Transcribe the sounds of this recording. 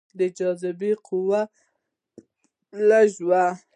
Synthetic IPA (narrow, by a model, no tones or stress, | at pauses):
d̪əd͡ʒɑzɪbeqʰʊwa | laʒwa